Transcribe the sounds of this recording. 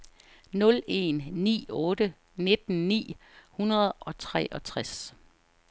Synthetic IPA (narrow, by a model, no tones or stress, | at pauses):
nɔ̽le̝̰nnḭːɔ̽ːd̥ə | ne̝d̥̚n̩nḭːhunɐð̞̩ˠɒ̽t͡sʰʁɛ̰ʔɒ̽t͡sʰʁas